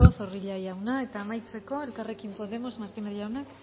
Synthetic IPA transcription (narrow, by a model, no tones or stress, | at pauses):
oθo̞riʎajawnae̞t̪aːmajt͡se̞ko̞e̞lkare̞kimpo̞ðe̞mo̞zmaɾkineðʎawnak